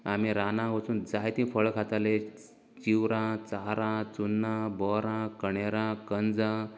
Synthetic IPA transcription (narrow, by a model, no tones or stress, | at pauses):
amiɾanãɡot͡suːnd͡zajt̪ĩfʰəɭkʰat̪ale | t͡ɕiwɾãt͡saɾãt͡sunːãbɔɾãkəɳeɾãkənd͡zã